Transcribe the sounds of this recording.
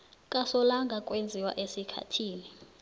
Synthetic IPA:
kʼasɔlaŋɡʱakʼwend͡zʱiwa̰ʔesikʰa̰tʰiːni

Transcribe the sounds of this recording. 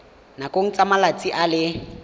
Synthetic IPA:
nakʼoŋ̩t͡sʼamalat͡sʼiʔalɪ

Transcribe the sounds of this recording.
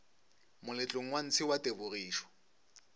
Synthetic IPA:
mʊlɪt͡ɬʼʊŋ̩wan̩t͡sʰɪwatʼebʊriːʃɔ̥

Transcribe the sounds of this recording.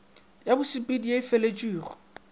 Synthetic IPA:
jabʊsipʼidijeifelet͡ʃʼwiːrɔ

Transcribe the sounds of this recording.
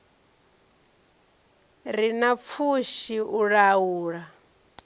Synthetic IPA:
ɾinap̪fʰuʃiʔuɺawuːɺa

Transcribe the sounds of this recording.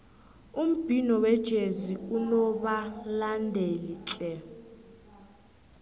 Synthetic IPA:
um̩b̥ʱinɔwɛd̥ʒ̥ʱeziulɔɓalandʱelit͡ɬʼɛ

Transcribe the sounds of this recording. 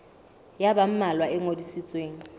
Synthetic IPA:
jabam̩malwaɛŋodisit͡sʼweːŋ̩

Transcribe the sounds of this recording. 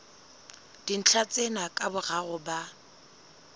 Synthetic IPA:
d̥in̩t͡ɬʰat͡sʼenakʼabʊɣaɣʊba

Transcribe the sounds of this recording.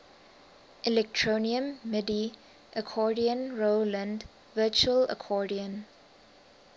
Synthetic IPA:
ʔɛlɛk̚tʰɹoniə̃mːɪdi | ʔəkʰɔdiə̃nɹolə̃nd | vət͡ʃuələ̰kʰɔdiə̃n

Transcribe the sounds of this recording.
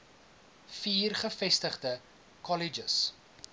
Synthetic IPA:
fiːrχəfɛstəχdə | kɔlid͡ʒəs

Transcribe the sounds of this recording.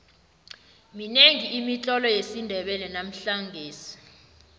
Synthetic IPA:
mineŋiːmit͡ɬʼɔlɔjesindʱɛɓɛlɛnam̩ɬaŋɡʱeːsi̥

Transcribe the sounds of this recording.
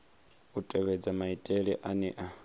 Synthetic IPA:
utʼɛβɛd͡zamaitʼeɺiʔanɛ̰ʔa

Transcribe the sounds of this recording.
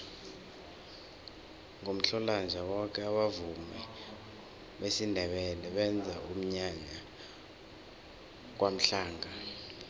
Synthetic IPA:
ŋʱom̩ɬɔland͡ʒʱawɔk̬ʰʼɛaɓavumɛ | ɓesindʱɛɓɛlɛɓɛnd͡zʱaum̩ɲaɲa | k̬wʔam̩ɬaːŋʱa

